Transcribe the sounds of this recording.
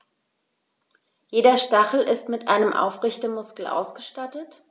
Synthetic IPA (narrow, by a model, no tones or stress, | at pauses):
jeːdɐʃtaχl̩ɪstmɪtʔa̰ɪnəmʔa̰ʊfʁɪçtəmʊskl̩ʔa̰ʊsɡ̥əʃtatət